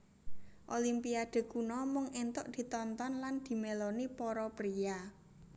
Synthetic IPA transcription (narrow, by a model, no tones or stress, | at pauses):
ʔolimpiad̪̥e̤kunɔmʊŋent̪ʊʔd̪̥i̤t̪ɔnt̪ɔnland̪̥i̤melonipɔɾɔpɾija